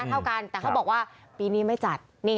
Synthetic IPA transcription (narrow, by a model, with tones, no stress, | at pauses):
t̪ʰa˥˩wka˧nt̪ɛ˨˩kʰa˦˥˩bɔː˨˩k̚waː˥˩piː˧niː˦˥˩ma˥˩jt͡ɕa˨˩t̪̚niː˥˩